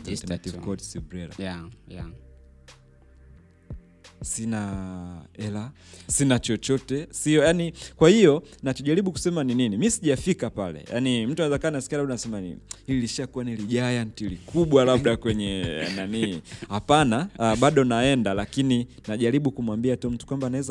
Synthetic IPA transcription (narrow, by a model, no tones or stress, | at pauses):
satikɔtsibɾɛla̰ | sina | ɛlasinat͡ʃɔt͡ʃɔtɛsiɔjanikwahijɔnat͡ʃɔʄaɾiɓuku̥sɛmanininimisiʄafikapalɛ̰ja̰nim̩tuanawɛzakanaskialaɓɗanasɛmanḭhililiʃakuwaniliʄajantilikʰuɓwalaɓɗakwɛɲɛ̰naniihapanaɓaɗɔnaɛndalakini | naʄaɾiɓukumwambiatum̩tu̥kwambanaɛza